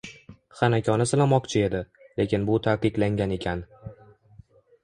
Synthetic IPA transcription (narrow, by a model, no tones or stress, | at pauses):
χanakʲʰɒnɪsɪlamɒqt͡ʃʰɪe̞d̪ɪ | le̞kʲɪnbʊt̪ʰaqɨqlaŋɡʲane̞kʲʰan